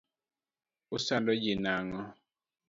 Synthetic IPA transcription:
usandɔd͡ʒinaŋɔ

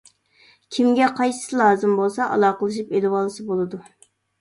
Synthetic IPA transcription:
kʲʰimɡʲɛqʰɑjsɨ̥sɨlˠɑːzɨmbolˠsɑʔɑ̰lˠɑːqəlˠɨʃ̬ipelɪwɑlˠsɨbolˠɨd̪u

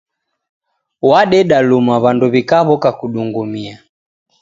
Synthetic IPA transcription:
waɗɛɗalumaβanduβikaβɔkakuɗuŋɡumia

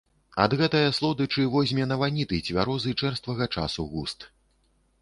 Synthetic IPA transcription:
ɐd̪ɣɛt̪ɐjɐslˠɔd̪ɨt͡ʂɨvɔzʲmʲɛnɐvanʲit̪ɨt͡sʲvʲaɾɔzɨt͡ʂɛrst̪vɐɣɐt͡ʂa̰suɣust̪

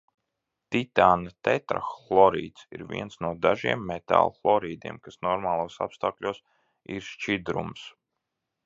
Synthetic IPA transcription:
t̪it̪aːnat̪ɛt̪ɾa̰xlˠɔɾḭːt̪sḭɾvḭɛnsnuɔd̪aʒiɛmːɛt̪a̰ːlˠflˠɔɾiːd̪iɛmkasnɔɾmaːlˠuɔsa̰pst̪aːklʲuːs | iɾʃt͡ʃid̪ɾṵms

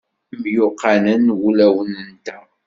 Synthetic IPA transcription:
mjʊqʰːanənwulæwənənt̪æ

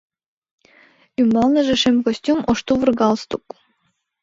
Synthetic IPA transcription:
ymbɑlˠnɤ̆ʒĕʃemkosʲt̪ʲumoʃt̪uvɨrɡɑlˠst̪uk

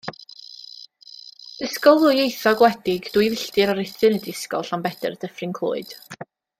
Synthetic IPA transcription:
əskɔlˠʊɨejθɔɡwɛdɪɡd̥wivɪɬtɨɾaɾɪθɨnədɪskɔɬambɛdə̰rd̥əfrɪnkʰl̥ˠʊ̰ːɨd̥

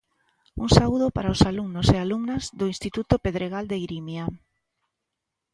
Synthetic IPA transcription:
uŋsauðʊpaɾaosaluŋnosealuŋnazðoinst̪it̪ut̪opeðɾeɣald̪eɣɾimja

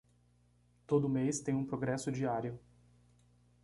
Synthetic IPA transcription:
t̪od̪ʊmest̪ẽj̃ũpɾoɡɾɛsʊd͡ʒiaɾjʊ

